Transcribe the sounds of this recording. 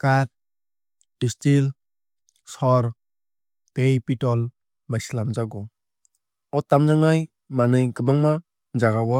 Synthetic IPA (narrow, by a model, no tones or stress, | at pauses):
kat̚ː | istil | sɔɾ | tejpitɔl | bajslamzaɡɔ | ɔtːamzaŋaj | manɯjɡɯbaŋma | d͡ʒaɡawɔ